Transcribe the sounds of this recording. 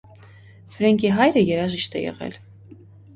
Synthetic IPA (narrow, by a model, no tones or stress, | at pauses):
fɾɛŋɡʰiɦɑjɾəjɛɾɑʒiʃt̪ɛjɛ̰ʁɛ̰l